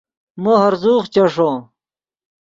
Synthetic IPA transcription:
moɦɐɾzuːχt͡ɕɐʂõ

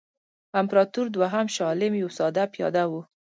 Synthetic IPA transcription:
ampɾɑt̪uɾd̪waɦamʃɑlɪmjawsɑd̪apjɑ̰d̪awu

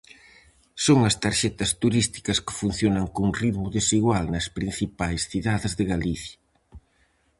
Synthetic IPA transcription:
soŋɐst̪aɾʃɛt̪ɐst̪uɾist̪i̥kɐskɪ̥fun̟θjonɐŋkoŋriðmʊðesiɣwalnɐspɾin̟θipajsθiðaðɪzðɪɣaliθjɐ

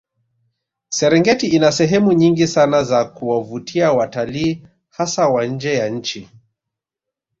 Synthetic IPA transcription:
sɛɾɛŋɡɛtiinasɛɦɛmuɲiŋɡisanazakuwavutʰiawataliː | hasawaɲ̩d͡ʒɛjaɲ̩t͡ʃi

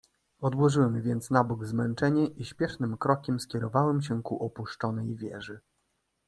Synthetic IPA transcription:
ɔd̪wɔʐɘwɛmvʲjɛnt̪snabuɡzmɛnt͡ʂɛɲɛʔiɕpʲjɛʂnɘmkɾɔkʲɛmskʲɛɾɔvawɛmɕ̬ɛkuʔɔpuʂt͡ʂɔnɛjvʲjɛ̰ʐɘ

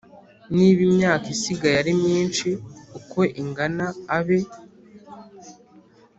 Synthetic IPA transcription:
niβimɲaːkisiɡajaɾimɲiːnt͡ʃiuko̞ʔiŋɡanaːβe̞

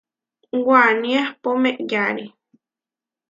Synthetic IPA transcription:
wanĩahpomẽʔjaɾi

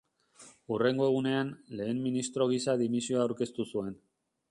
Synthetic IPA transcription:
ure̞ŋɡo̞e̞ɣ̞une̞anle̞ːmminist̪ɾo̞ɣ̞isaðimisio̞aawɾke̞st̪usue̞n

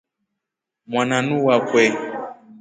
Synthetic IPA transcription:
mwanãnũwakwɛ

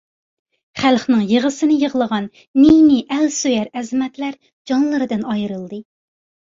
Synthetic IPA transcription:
χælˠχnɨŋjəʁəsɨnɪjəʁəlˠəʁɑnː | iniʔælsøjɛɾɛzɪmɛt̪læɾ | d͡ʒɑŋlˠɨɾɨd̪ɨnɑjɾɨlˠd̪ɨ

